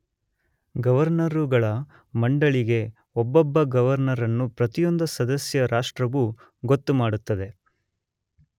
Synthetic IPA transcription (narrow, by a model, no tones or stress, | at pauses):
ɡɐʋɐɾnɐɾuɡɐɭɐ | mɐɳɖɐɭiɡe̞ | ɔbːɔbːɐɡɐʋɐɾnɐɾɐnːupɾɐt̪ijo̞nd̪ɐsɐd̪ɐsjɐɾʔaːʂʈɾɐʋu | ɡo̞t̪ːumaːɽut̪ːɐd̪e̞